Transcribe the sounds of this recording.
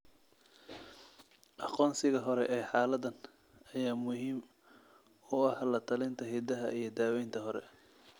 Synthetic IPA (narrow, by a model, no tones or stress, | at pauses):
ʔɑqɔːnsɪɣɐɦɔɾɛʔɛːħɑːlɐðɐn | ɐjaːmʊhiːm | ʊɐhlɐt̪ʰɐlɪnt̪ʰɐɦid̪ɐɦɐʔijɞd̪aːwɛjnt̪ʰɐɦɔɾɛ̰